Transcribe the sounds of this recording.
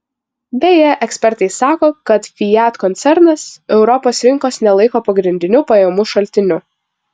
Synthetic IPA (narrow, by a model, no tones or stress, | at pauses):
bʲɛjɛʔɛksʲpʲɛɾt̪ɐɪsɑːkoːkɐt̪fʲɪjæt̪kɔnʲt̪sʲɛɾnɐsɛʊɾɔpoːsɾʲɪŋkoːsnʲɛlˠɐɪkoːpɐɡɾʲɪnʲd̪ʲɪnʲʊpɐjɛmʊʃɐlʲt̪ʲɪnʲʊ